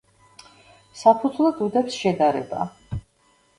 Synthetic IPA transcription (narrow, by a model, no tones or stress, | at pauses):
sapʰud̪zlˠad̪ud̪ɛpsʃɛd̪aɾɛ̰ba̰